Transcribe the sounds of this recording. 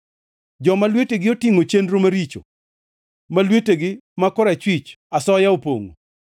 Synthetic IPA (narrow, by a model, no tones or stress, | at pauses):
d͡ʒɔmalweteɡɪotiŋot͡ʃendɾomaɾit͡ʃo̰ | malweteɡɪmakɔɾɛt͡ʃwɪt͡ʃasɔjaopo̰ŋo̰